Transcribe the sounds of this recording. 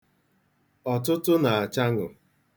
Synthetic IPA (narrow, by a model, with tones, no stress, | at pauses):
ɔ˨tʊ˦tʊ˦na˨a˨t͡ʃa˦ŋʊ̰˨